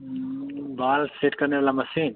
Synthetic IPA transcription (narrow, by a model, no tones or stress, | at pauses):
baːlseʈkɐɾneʋalamɐsiːn